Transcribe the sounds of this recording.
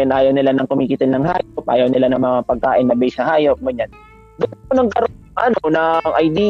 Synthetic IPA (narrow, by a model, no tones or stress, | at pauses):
ɛnʔaːjɐwnɪlanɐŋkʊmiːkɪt̪ɪlnɐŋha̰ːjop̚ʔa̰ːjɐwnɪlanɐŋmɐŋapɐɡ̚ka̰ːʔɪnːɐbɛjsɐhaːjop̚ɡʊɲan | d̪ʊnponɐŋɡ̚kɐɾo | ŋʔɐnonɐŋʔɐjd̪iː